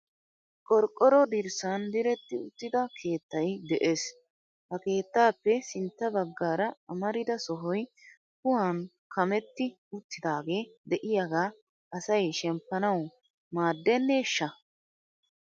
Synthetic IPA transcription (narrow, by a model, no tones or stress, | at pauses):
kʼɔɾkʼːɔɾɔd̪ɪɾsɐnd̪ɪɾɛt̪ːɪʊt̪ːɪd̪ɐkʰe̞ːt̪ːɐjd̪ɛʔeːs | hɐke̞ːt̪ːaːpːɛsɪnt̪ːɐbɐɡːaːɾɐɐmɐɾɪd̪ɐsɔɦɔj | kʊhan | kɐmɛt̪ːɪ | ʊt̪ːɪd̪aːɡe̞ːd̪ɛʔɪjaɡaː | ɐsɐjʃɛmpːɐnɐw | maːd̪ːɛnːɛʃːɐ